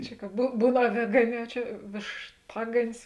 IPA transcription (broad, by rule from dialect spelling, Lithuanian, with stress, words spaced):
ˈt͡ʃʲɛ kɐ buː ˈbuːn ɐˈʋʲeːɡɐˌnʲɛː oː ˈt͡ʃʲɛ ʋʲeːʃˈtɑːɡɐnʲɪs